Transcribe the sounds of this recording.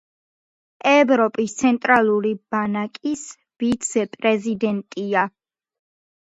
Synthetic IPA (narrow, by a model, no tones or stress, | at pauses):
ɛvɾɔpʼist̪sʰɛnt̪ʼɾalˠuɾib̥anakʼis | v̥it̪sʰɛpʼɾɛzid̪ɛnt̪ʼia